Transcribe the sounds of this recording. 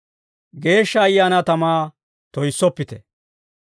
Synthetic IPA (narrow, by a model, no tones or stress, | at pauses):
ɡe̞ːʃːɐːjːaːnɐt̪ɐmaː | t̪ɔjsːɔpːɪt̪ɛ